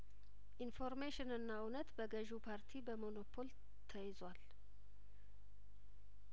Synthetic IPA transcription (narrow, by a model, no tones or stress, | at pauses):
ʔinfo̞ɾmeʃɪnɨnːaɨnət̪bəɡəʒupʰaɾt̪ʰibəmono̞pʰo̞l | t̪ʰəjɪzwal